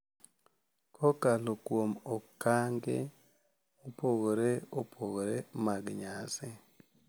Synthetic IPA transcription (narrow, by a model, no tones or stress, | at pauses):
kʰɔkalokwomɔkaŋɡḛ | opoɡɾeopʰoɡɾemaɡɲasɛ